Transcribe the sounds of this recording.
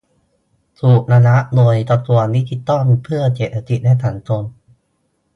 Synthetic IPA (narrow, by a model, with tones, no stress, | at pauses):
sʰu˨˩ʔ̚naː˧na˦˥ʔdoː˧jt̪ɔ˧t̪u˨˩ət̪mi˦˥t̪ʰi˧˩t̪ːɔ˥˩ŋpʰɯ˥˩ɐt͡ɕe˨˩t̪̚ːa˧˩t̪i˨˩naː˥˩jt̪ʰaː˨˩˦nt͡ɕo˧n